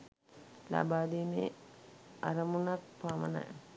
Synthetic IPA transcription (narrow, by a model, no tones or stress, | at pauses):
la̰baːd̪eːmḛ | aɾəmunakpaːmə̰na̰jə